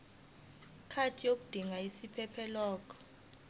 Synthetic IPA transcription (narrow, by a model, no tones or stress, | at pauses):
kʰatʰijok̬ud̥ʱiŋaisipʰɛpʰɛlaːk̬ʼɔ̥